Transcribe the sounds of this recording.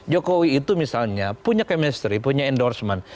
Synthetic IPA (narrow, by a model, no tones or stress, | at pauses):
d͡ʒokowiːt̪umisalɲapuɲakɛmɛst̪ɾipuɲaɛndɔrsman